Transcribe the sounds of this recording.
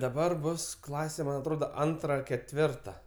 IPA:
dɐˈbɐr ˈbʊs ˈklˠɑːsʲɛ ˈmɐn ɐtˈroːdɐ ˈɐntrɐ kʲɛtʲˈʋʲɪrtɐ

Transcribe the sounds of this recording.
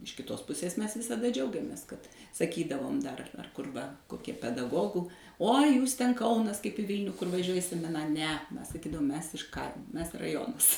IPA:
ɪʃ kʲɪˈtoːs ˈpʊsʲeːs ˈmʲɛs ʋʲɪsɐˈdɐ ˈd͡ʒʲɛʊɡʲɛmʲeːs kɐt sɐˈkʲiːdɐʋoːm dɐr ɐr kʊr ˈʋɐ koːˈkʲiɛ pʲɛdɐˈɡoːɡʊ uɔ juːs tʲɛn ˈkɐʊnɐs kɐɪp ɪ ˈʋʲiːlʲnʲʊ kʊr ʋɐˈʒʲuɔjɪ ɪ sʲɛmʲɪˈnɐ nʲɛ ˈmʲɛs sɐˈkʲiːdɐʋoːm ˈmʲɛs ɪʃ ˈkɐɪmoː ˈmʲɛs rɐˈjoːnɐs

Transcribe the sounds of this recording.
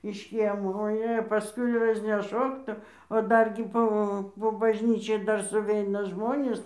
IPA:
ɪʃ ˈkʲiɛmoː oːˈjeː pɐˈskʊɪ rɐzʲnʲɛˈʃoːk tʊ oː ˈdɐrʲɡʲɪ ˈpoː poː bɐʒʲˈnʲiːt͡ʃʲɛɪ ˈdɐr sʊˈʋʲɛɪnɐ ˈʒmoːnʲeːs

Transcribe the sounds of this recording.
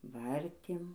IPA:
ˈʋɐrʲtʲeːm

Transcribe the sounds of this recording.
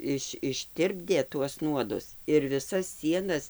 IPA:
ˈɪʃ ɪʃʲˈtʲɪrʲbʲdʲeː tuɔs ˈnuɔdʊs ɪr ʋʲɪˈsɐs ˈsʲiɛnɐs

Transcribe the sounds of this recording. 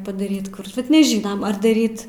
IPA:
pɐdɐˈrʲiːt ˈkʊr bʲɛt nʲɛˈʒʲiːnɐm ɐr dɐˈrʲiːt

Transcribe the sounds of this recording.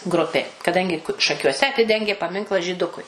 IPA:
ˈɡrʊpʲeː kɐˈdɐŋʲɡʲɪ ʃɐkʲuɔˈsʲɛ ɐˈtʲɪdʲɛŋʲɡʲeː pɐˈmʲɪŋklˠɑː ʒʲiːˈdʊkʊɪ

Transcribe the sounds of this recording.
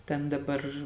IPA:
ˈtʲɛn dɐˈbɐr

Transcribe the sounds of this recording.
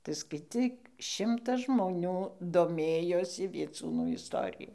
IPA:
tɐɪ skɐɪˈt͡sʲiːk ˈʃʲɪmtɐs ʒmoːˈnʲuː doːˈmʲeːjoːsʲɪ ʋʲiɛˈt͡suːnuː ɪsˈtoːrʲɪjʊ

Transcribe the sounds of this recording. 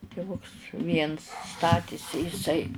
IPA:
tʲɪˈʋʊks ˈʋʲiɛns ˈstɑːtʲeːsʲɪ jɪˈsɐɪ

